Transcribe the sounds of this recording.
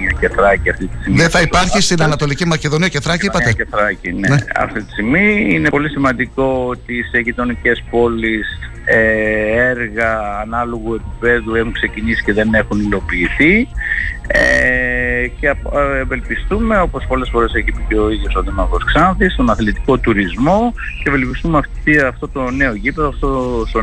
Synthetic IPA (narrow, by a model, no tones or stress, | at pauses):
ceθɾɐciɐft̪it̪ist̪immðeθɐipɐɾçist̪inɐnɐt̪o̞licimɐce̞ðo̞niɐceθɾɐciipɐt̪eθɾɐcineḛɐ̰ft̪it̪i̥st̪imiinepo̞lisimɐnd̪iko̞ot̪iseʝit̪o̞nice̞spo̞lis | eeɾɣɐːnɐlo̞ɣue̞pipe̞ðue̞xuŋkse̞cinisi̥ceðene̞xunilo̞piːθi | ḛ | cevelpist̪ume̞o̞po̞spo̞le̞sfo̞ɾeseçipiceoiðjo̞soðimɐkosksɐnθist̪o̞nɐθlit̪i̥ko̞t̪uɾizmo̞cevelpist̪umɐft̪iɐft̪o̞t̪o̞ne̞oʝipeðoɐft̪ost̪o